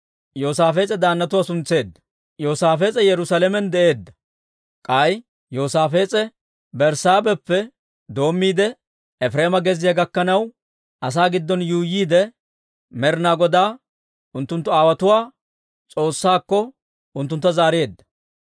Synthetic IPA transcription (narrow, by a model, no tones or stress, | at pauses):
jo̞ːsaːfeːt͡sʼɛd̪aːnːɐt̪ʊwaːsʊnt͡se̞ːd̪ːɐ̥ | jo̞ːsaːfe̞ːt͡sʼɛjɛɾʊsaːlɛmɛnd̪ɛʔe̞ːd̪ːɐ̥ | kʼɐj | joːsaːfe̞ːt͡sʼɛ | bɛɾsaːbɛpːɛ | d̪o̞ːmːiːd̪ɛ | ɛfɾeːmɐɡɛzɪjaɡɐkːɐnɐw | ʔɐs̬aːɡɪd̪ːɔnjuːjiːd̪ɛ | mɛɾnaːɡɔd̪aː | ʊnt̪ːʊnt̪ːʊaːwɐt̪ʊwaː | t͡sʼo̞ːsːaːkːɔ | ʊnt̪ːʊnt̪ːɐzaːɾe̞ːd̪ːɐ̥